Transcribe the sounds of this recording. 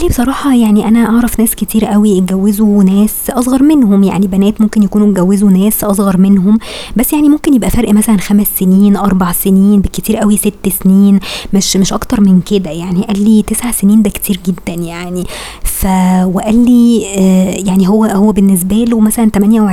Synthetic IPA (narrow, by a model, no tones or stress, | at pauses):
ʔlːibesˤɑɾˤɑːħɑjaʕniʔænæʔɑʕɾˤɑfnæːsket̪ʰiːɾʔæwiɡæwːezunæːsʔɑsˤɣɑɾˤmenhomja̰ʕnibænæːt̪momkenjækuːnuɡæwːezunæːsʔɑsˤɣɑɾˤmenɦombæsːjaʕnimomkenjebʔæfæɾʔmæsælænxæmæsːeniːnʔɑɾˤbɑʕseniːnbekːet̪iːɾʔæwiset̪ːsniːnmeʃmeʃʔɑkt̪ɑɾˤmenked̪æjaʕniʔælːit̪esʕaseniːnd̪æke̥t̪ʰiːɾɡed̪ːænjaʕni | fæweʔælːi | jaʕniɦowːæhowːæbenːes̬bælowmæsælænt̪æmænjæwʕ